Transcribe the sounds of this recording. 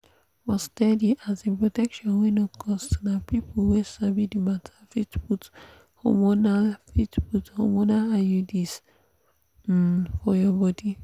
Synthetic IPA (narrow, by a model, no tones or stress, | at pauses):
bɔstɛdiʔazẽpɹotɛkʃɔ̃nwenɔkʰɔstnapipulwesabidimatʰḁfitbut | ho̰monalfitbutho̰monalajudis | fɔjɔbɔdi